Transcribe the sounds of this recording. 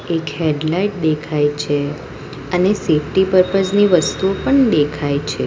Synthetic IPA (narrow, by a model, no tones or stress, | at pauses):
ekɦeɖlaiʈ̚d̪ekʰajt͡ʃʰe | ənesefʈipəɾpəsniʋəst̪uopəɳd̪ekʰajt͡ʃʰe